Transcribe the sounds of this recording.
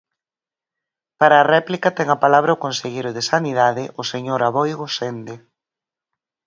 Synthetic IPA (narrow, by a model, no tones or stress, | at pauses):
paɾaːrɛplikɐt̪ɛŋɐpalaβɾaokonseʎejɾʊðɪsaniðaðɪʔʊseɲoɾaβɔjɣosend̪e